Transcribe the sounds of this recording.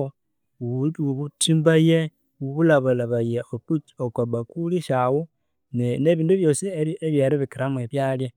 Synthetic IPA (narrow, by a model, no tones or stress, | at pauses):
o | utuβutimbaje | wuβulaβalaβajeoput͡ʃokwabakuliʃawu | nene̞βiːnduβjo̞sieieβjeɾiβikiɾamueβjalje